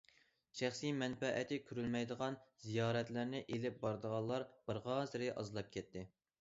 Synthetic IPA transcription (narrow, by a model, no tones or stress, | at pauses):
ʃæχsimɛnfɛʔɪt̪ʰɪkʲʰyɾylmɛjd̪əʁɑnzijɑːɾɛt̪lɪɾnɪʔelɪp̚bɑɾd̪əʁɑlˠːɑɾb̥ɪɾʁɑːzɪɾɪʔɑ̰zlˠɑp̚kʲʰɛt̪ʰːɪ